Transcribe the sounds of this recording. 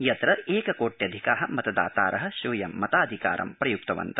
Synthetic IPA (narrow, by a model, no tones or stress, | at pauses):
jɐt̪ɾɐeːkɐkoːʈjɐd̪ʱikaːɦɐmɐt̪ɐd̪a̰ːt̪a̰ːɾʔɐɦɐ̆ʃuːjɐmːɐt̪aːd̪ʱika̰ːɾʔɐ̰mpɾɐjuk̚t̪ɐʋɐ̰nt̪ɐ